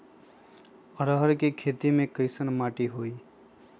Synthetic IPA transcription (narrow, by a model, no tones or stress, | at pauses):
əɾəɦəɾkekʰet̪imẽkəɪsənmaːʈiɦoiː